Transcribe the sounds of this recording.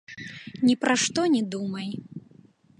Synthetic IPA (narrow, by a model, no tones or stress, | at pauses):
nʲipɾaʂt̪ɔnʲɛd̪umɐj